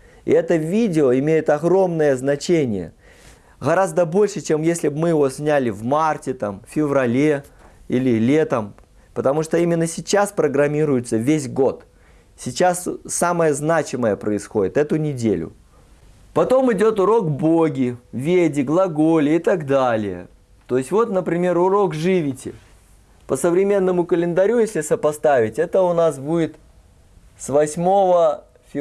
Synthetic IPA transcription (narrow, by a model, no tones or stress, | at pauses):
ɪ̰ɛt̪əvʲidʲɪoɪmʲejɪt̪ɐɣɾo̞mnəjəznɐt͡ɕenʲɪ̰jə̰ | ɣɐɾazd̪əbo̞lʲʂɨt͡ɕemjesʲlʲɪbmɨjɪvo̞sʲnʲælʲɪvmartʲɪt̪amfʲɪvɾɐlʲeilʲɪlʲe̞t̪əm | pət̪ɐmuʂt̪oimʲɪnːəsʲɪt͡ɕaspɾəɡɾɐmʲiɾʊjʊt̪səvʲesʲɡo̞t̪ | sʲɪt͡ɕːassaməjəznat͡ɕɪməjəpɾəɪsxo̞dʲɪt̪ɛt̪ʊnʲɪdʲḛlʲʊ̰ | pɐt̪o̞mɨdʲo̞t̪ʊɾo̞kboɡʲɪvʲedʲɪɡlˠɐɡo̞lʲɪɪt̪aɡd̪alʲɪ̰jə̰ | t̪o̞jɪsʲtʲvo̞t̪nəpɾʲɪmʲe̞ɾʊɾo̞kʐɨvʲɪtʲɪ̰ | pəsəvɾʲɪmʲe̞nːəmʊkəlʲɪnd̪ɐɾʲujesʲlʲɪsəpɐst̪avʲɪtʲɛt̪əʊnas̬budʲɪt̪ | svɐsʲmo̞və | fʲɪ